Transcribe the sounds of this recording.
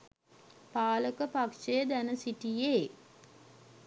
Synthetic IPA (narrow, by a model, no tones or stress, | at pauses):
paːləkəpakʂejəd̪ænəsiʈijeː